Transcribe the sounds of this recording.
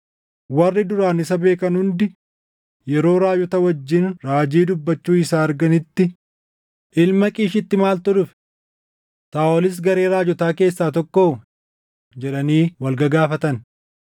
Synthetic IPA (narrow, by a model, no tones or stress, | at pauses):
wɐrːɪd̪ʊɾaːnɪsɐbe̞ːkɐnhʊnd̪ɪ | jɛɾo̞ːɾaːjɔt̪ɐwɐd͡ʒːɪnɾaːd͡ʒiːd̪ʊbːɐt͡ʃːuːɪsaːɐɾɡɐnɪt̪ːɪ | ʔɪlmɐkʼiːʃɪt̪ːɪmaːlt̪ɔᶑʊf | t̪aːɔlɪs̬ɡɐɾe̞ːɾaːd͡ʒɔt̪aːke̞ːsːaːt̪ɔkːoː | d͡ʒɛᶑɐniːwɐlɡɐɡaːfɐt̪ɐn